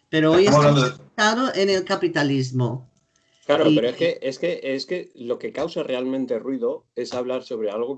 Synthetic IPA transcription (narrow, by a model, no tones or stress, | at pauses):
peɾoojeaaðoʔene̞lkapit̪alizmo | klaɾopeɾoeske̞ʔeske̞eske̞lo̞ke̞kawsare̞almẽnt̪e̞rwiðo̞e̞saβlaɾso̞β̞ɾe̞alɣo